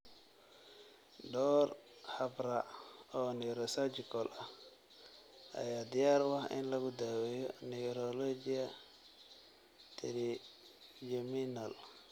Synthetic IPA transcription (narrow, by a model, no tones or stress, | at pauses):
ɖɔːrhɐbɾaɔːnɛɾɔsad͡ʒɪkʰɔlʔɐ | ʔɐ̰jaːd̪ɪjaːɾwɑhɪ̰nlɐɣʊd̪awɛjɔnɛɾɔlɔd͡ʒɪjɐ | t̪ʰɛli | d͡ʒɛminal